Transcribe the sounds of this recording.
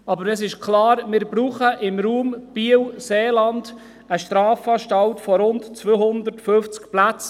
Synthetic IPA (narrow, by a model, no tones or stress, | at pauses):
ɑbəɾɛsɪʃkʰlɑːɾmɪɾbɾuːχəʔɪmɾuːmb̥iəwseːlɑnd̪̥ | əʃtɾɑːfɑːʃtɑlt̪fɔɾʊntt͡sʋøhʊnd̪ərtfɵft͡skplæt͡s